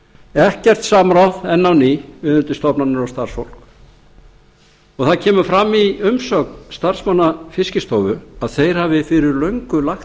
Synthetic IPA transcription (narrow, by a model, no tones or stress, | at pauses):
ɛhcːɛr̥t̪saːmaɾawðɛnːawnivɪðʏnt̪ɪst̪ɔpnanːɪɾawst̪aɾ̥sfowl̥k | ɔɣθaðcʰɛːmʏfɾamːiʏmsœːknst̪ar̥smanːafɪscɪst̪oːwvʏaðθejɾ̥havɪfɪɾɪɾlœɥŋkʏlaxt̪